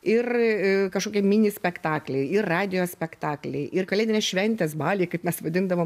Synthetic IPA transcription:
ɪrkɐʃkoːkʲɛmʲɪnʲɪsʲpʲɛkt̪ɑːklʲɛɪɪrrɑːd̪ʲɪjoːsʲpʲɛkt̪ɑːklʲɛɪʔɪrkɐlʲeːd̪ʲɪnʲɛʃʲʋʲɛnʲt̪ʲɛsbɑːlʲiːkɐɪpmʲɛsʋɐd̪ʲɪnd̪ɐʋoːm

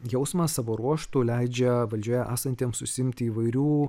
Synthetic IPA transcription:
jɛʊsmɑːsɑːʋoːɾuɔʃt̪uːlʲɛɪd͡ʒʲɛʋɐlʲd͡ʒʲuɔjɛʔæ̰ːsɐnʲt̪ʲiːmsʊsʲɪɪmʲt̪ʲɪiʋɐɪɾʲuː

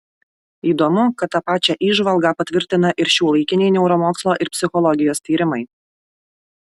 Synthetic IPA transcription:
iːd̪ɔmʊkɐt̪ːɑpɑːt͡ʃʲɛʔiːʒʋɐlˠɡɑːpɐt̪ʲʋʲɪɾʲt̪ʲɪnɐʔɪɾʃʲuːlˠɐɪkʲɪnʲɛɪnʲɛʊɾɔmoːkslˠoːʔɪɾpʲsʲɪxɔlˠɔɡʲɪjoːst̪ʲiːɾʲɪmɐɪ

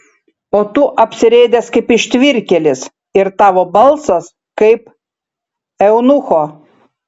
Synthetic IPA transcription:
oːt̪ʊʔɐpʲsʲɪɾʲɛɪd̪ʲɛskɐɪpɪʃʲt̪ʲʋʲɪɾʲkʲɛlʲɪs | ɪɾt̪ɑːʋoːbɐlˠsɐs | kɐɪp | ɛʊnʊxoː

